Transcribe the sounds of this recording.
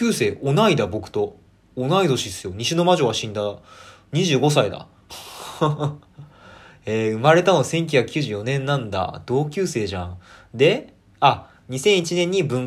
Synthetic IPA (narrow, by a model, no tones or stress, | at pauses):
ɯːse̞ːʔonaid̪abo̞kɯ̟̥t̪o̞ː | naid̪o̞ɕid̪esɨjo̞ɲ̟iɕino̞maʑo̞ːβaɕĩnd̪a | ɲ̟iʑɨːɡo̞s̬aid̪a̰ | eːɯ̟maɾe̞t̪ano̞sẽ̞ŋk̬ʲuçakɯ̥kʲɨːʑɨːjo̞nẽ̞nːãnd̪a̰d̪̥o̞ːkʲɨːse̞ːʑãd̪e̞ | a | ɲ̟isẽɰ̃it͡ɕinẽ̞ɲ̟ːibɯ̟̃ŋ